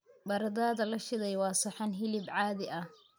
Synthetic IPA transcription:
bɐɾɐðaːðɐlɐʃɪðɛjwɑːsɐħɑnɦɪlɪbʕɑːðɪʔɐh

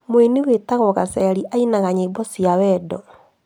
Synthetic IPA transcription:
moenewetaɣɔɣasɛɾiʔainaɣaɲeibɔsiawɛdɔ

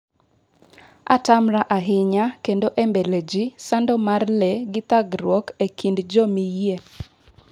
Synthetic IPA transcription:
a̰tamɾaʔaɦɪɲakendoʔembeled͡ʒisandɔmarleɡɪt̪aɡɾwɔkekʰindd͡ʒomije

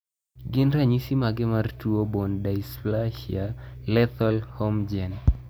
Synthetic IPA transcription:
ɡɪnɾaɲisimaɡɛmartuobɔndaisplaʃialɛt̪ɔlhɔmd͡ʒɛn

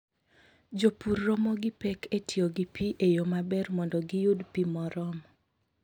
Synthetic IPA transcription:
d͡ʒopurːɔmɔɡɪpɛkʰetʰioɡipiʔejomabɛrmɔndɔɡɪjudpimɔɾɔm

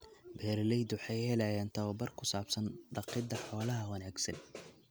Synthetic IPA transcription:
bɛːɾlɛjd̪ʊħɑjhɛlajaːnt̪ʰɐwɐbɐrkʰʊsaːbsɐnɖɑqɪd̪ɐħɔːlɐɦɐwɐnaːɡsɐ̰n

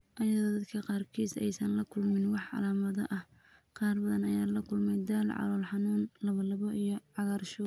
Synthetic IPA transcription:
ʔɐjɐðɔːd̪ɐd̪kʰɐqɑːrkʰiːsɛ̰jsɐnlɐkʰʊlmɪnwɑħʕɑ̰laːmɐðɐʔɐh | qɑːrbɐðɐnɐjaːlɐkʰʊlmɛjd̪aːlʕɑ̰lɔːlħɑnuːnlɐβɐlɐβɔʔijɞʕɑɣarʃɔ

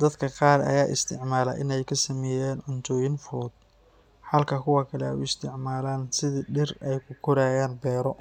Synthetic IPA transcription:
d̪ɐd̪kʰɐqɑːrɐ̰jaːʔɪ̰st̪ʰɪʕmaːlɐ̰ʔɪnɛjkʰɐsɐmɛːjaːnʕʊnt̪ʰɔːjɪnfɔːd̪ | ħɐlkʰɐkʰʊwɐkʰɐlɛɛ̰jʊɪst̪ʰɪʕmaːlaːnsɪðɪɖɪrɛjkʰʊkʰɔɾaːjaːnbɛːɾɔ

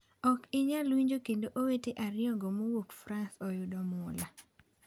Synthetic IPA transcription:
ɔkɪɲalwiɲd͡ʒokendoʔoweteʔaɾɪɔŋɡomowokfɾansɔjʊdɔmʊla

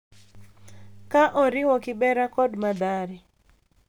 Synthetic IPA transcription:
kaʔɔɾɪwɔkɪbɛɾakɔdmad̪aɾɪ

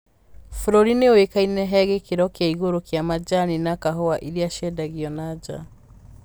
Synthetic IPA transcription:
fɾɔɾineowekainɛɦɛɣekeɾɔkeaiɣoɾokjamad͡ʒaninakaɦɔaʔiɾiaʃɛdaɣiɔnaɟa̰

